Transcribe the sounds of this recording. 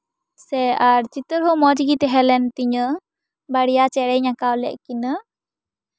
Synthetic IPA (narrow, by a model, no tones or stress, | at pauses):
sɛaɾt͡ʃit̪əɾɦɔmɔd͡ʒiɡit̪ɛɦɛlɛnt̪iɲə | baɽijat͡ʃɛɾɛɲakawlɛ̰ʔkinə